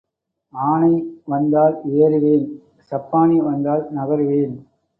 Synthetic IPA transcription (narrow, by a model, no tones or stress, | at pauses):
aːɳɐɪʋɐnd̪aːleːɾɯʋeːn | sɐpːaːɳiɪʋɐnd̪aːlnɐɣɐɾɯʋeːn